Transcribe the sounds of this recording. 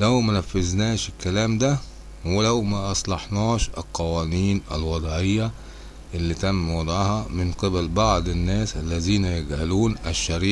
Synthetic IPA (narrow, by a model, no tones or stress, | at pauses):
læwmænæfːeznæːʃɪkːælæːmd̪æ | welæwmæʔɑsˤlɑħnɑːʃɪ̰lqɑwæːniːnæ̰lwɑd̪ˤʕejːæ | ʔɪlːiːt̪æmːwɑd̪ˤʕɑhɑmɪnqebælbɑʕd̪ˤɪnːæːsʔælːæziːnæjeɡʕaluːnʔæʃːæɾiː